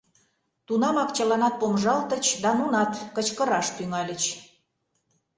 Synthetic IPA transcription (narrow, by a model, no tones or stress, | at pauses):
t̪unɑmɑkt͡ɕəlɑnɑt̪̚pomʒɑlt̪ə̆t͡ɕd̪ɑmunɑt̪kə̆t͡ɕkəɾɑʃt̪yŋɑlʲə̆t͡ɕ